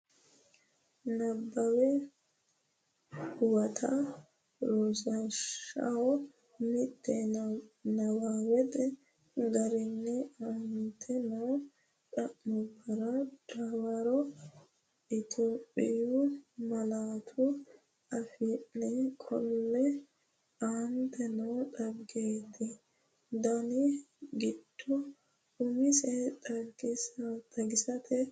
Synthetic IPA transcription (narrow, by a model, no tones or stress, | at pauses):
nɐbːɐwɛ | hʊwɐt̪ʰa | ɾoːsɐʃɐ̰hɔ | mɪt̪ːɛ | nɐwaːwɛd̪ɛ | ɡɐɾɪnːɛɐnt̪ʰɛnɐw | ɗɐʔmʊbːɐɾad̪aːwaɾɔ | ɪt̪ʰoːpʼːɪ̰jumɐlaːt̪ʰu | ʔɐfɪʔnɛkʰɔnːɛ | ant̪ʰɛnɐwt̪ʼɐbɡeːt̪ːɪ | d̪ɐnɪ | ɡɪd̪̥ːɔ | ʊmɪsɛt̪ʼɐɡɪsɐt̪ʼɐɡɪsɐt̪ʰɛ